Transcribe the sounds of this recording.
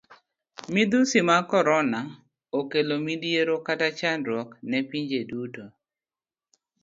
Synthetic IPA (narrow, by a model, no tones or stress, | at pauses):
mid̪usimakɔɾɔna | okelomidjeɾokatat͡ʃanɾwɔknɛpiɲd͡ʒeduto